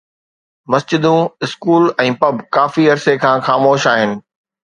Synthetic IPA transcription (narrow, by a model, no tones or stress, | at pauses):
mɐsd͡ʑɪd̪ũɪskuːlɛ̃ːpɐbkaːfiɐɾsekʰãːxaːmoːʃaːɦɪnɪ̆